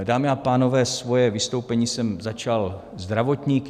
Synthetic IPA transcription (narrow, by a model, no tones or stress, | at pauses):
daːmɪapaːno̞vɛːsvo̞jɛvɪst̪o̞wpɛɲiːsɛmzat͡ʃal | zd̪ɾavo̞t̪ɲiːk